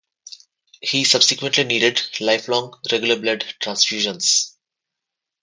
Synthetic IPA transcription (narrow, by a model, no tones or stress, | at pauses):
hiːsʌbsɪkwə̃ɳʈliniːɖɪɖlaɪflɔ̃ːŋɾeɡjʊləɾblʌɖʈɾãnsfjuːʒə̃ns